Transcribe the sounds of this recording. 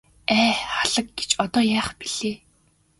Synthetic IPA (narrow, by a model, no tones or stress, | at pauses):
æːχaɮə̆k̚ɡe̥t͡ɕɔt̪ɔːjaːχpiɮ̥eː